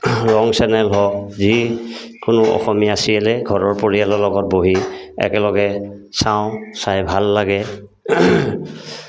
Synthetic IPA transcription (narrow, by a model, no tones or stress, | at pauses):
ɹɔŋsɛnɛlɦɔzikʊnʊʔɔ̰xɔmijaasiɛlɛɡʱɔɹɔɹpoɹijalɔlɔɡɔt̚boɦiɛ̰kɛlɔɡɛ | saʊ̃sajbʱalːaɡɛ